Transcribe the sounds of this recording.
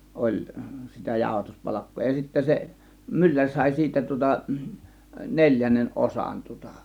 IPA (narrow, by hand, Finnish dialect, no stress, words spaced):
olʲ sitæ jɑˑo̝hɑtuspɑlɑkːoː jɑ sitːæ se mylːærʲ sɑˑe̝ siːtæ tŭŏtɑ nelʲjænːen ʔosɑn tŭŏtɑ